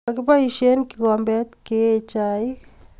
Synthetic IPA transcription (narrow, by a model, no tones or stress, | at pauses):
akipaiʃenkikɔmbɛt̪ket͡ʃai